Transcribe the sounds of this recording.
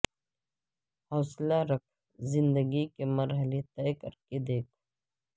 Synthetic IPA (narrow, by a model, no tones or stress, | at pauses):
hɔːslaɾɐkʰ | zɪ̃nd̪əɡikemɐɾɦəlet̪ɛːkəɾked̪eːkʰ